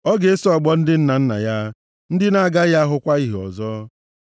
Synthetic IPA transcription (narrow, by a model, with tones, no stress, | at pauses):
ɔ˦ɡe˨e˦sɔ˨ɡ͡bɔ˦n̩˦dɪ˦n̩˦na˨n̩˦na̰˨ja˦ | n̩˦dɪ˦na˨a˨ɡa˦ja˦ɦʊ˦kʷa˦i˦ɦɔ̰˨zɔː˦